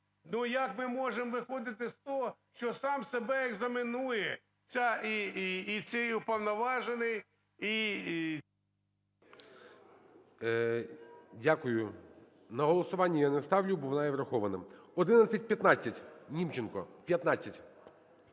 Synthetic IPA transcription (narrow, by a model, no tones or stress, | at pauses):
nujɐkmɪmɔʒemʋɪxɔd̪ɪt̪ɪst̪ɔɦɔʃt͡ʃɔsɑmsebɛeɡzɐmɪnujɛ | t͡sʲaiːt͡sʲɪjʊpɐwnɐʋɑʒenɪj | i | dʲakʊjʊ | nɐɦɔlˠɔsʊʋɑnʲːijanest̪ɑwlʲʊbɔʋnɑjɛʋɾɐxɔʋɐnɪmɔd̪ɪnɐt͡sʲɐt̚ʲpʲjɐt̪nɑt͡sʲːɐtʲnʲimt͡ʃɪnkɔ̰pʲjɐt̪nɑt͡sʲːɐtʲ